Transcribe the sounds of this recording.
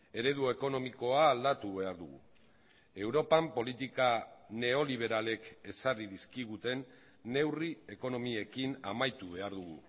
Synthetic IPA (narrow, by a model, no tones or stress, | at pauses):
e̞ɾe̞ðue̞ko̞no̞miko̞aːld̪at̪uβe̞aɾðuɣṵ | e̞wɾo̞pampo̞lit̪ikane̞o̞liβ̞e̞ɾale̞ke̞sariðiskiɣ̞ut̪e̞nː | e̞wrie̞ko̞no̞mie̞kina̰majt̪uβe̞aɾðuɣ̞ṵ